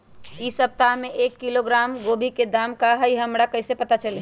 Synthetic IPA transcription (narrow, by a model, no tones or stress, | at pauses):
isəp̚t̪aɦmeʔekːiloɡɾamɡobʱiked̪amkaɦəiɦəmɾakəɦsepət̪at͡ʃəle